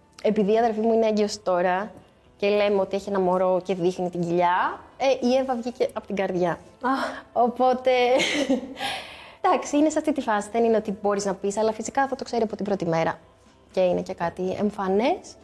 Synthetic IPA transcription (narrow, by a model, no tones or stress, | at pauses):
epiðiːɐðe̞lfimuineeɲɟeosi̥t̪o̞ɾɐ | ce̞le̞meo̞t̪ieçienɐmoɾo̞ce̞ðixnit̪iɲɟiʎɐeʔievɐvʝice̞ʔɐpot̪iŋɡɐɾðʝɐ | o̞po̞t̪e̞ | d̪ɐksiinesɐft̪it̪ifɐsiðe̞nine̞o̞t̪ibo̞ɾiznɐpisɐlɐfisikɐfðot̪o̞kse̞ɾiɐpo̞t̪ibɾo̞t̪ime̞ɾɐ | ce̞inece̞kɐt̪iḛɱfɐnes